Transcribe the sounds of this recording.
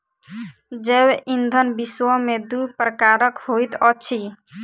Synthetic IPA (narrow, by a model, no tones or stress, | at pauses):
d͡ʒebʔind̪ʱənbiswəmed̪upɾəkaɾəkhojt̪ɔt͡ʃʰi